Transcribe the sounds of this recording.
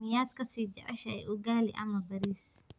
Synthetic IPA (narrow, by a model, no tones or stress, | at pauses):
ɪjaːd̪kʰɐsiːd͡ʒɛʕɛ̰ʃɐɛ̰jʊɡaːlɪ̰ʔɐ̰mɐbɐɾiːs